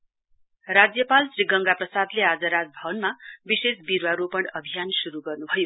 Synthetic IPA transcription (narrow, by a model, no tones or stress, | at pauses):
rad͡zjʌpalsriɡʌŋɡaprʌsad̪lead͡zʌɾad͡zbʱʌbʌnmabisesbiɾwaɾopʌɳʌbʱijansuɾuɡʌrnubʱʌjo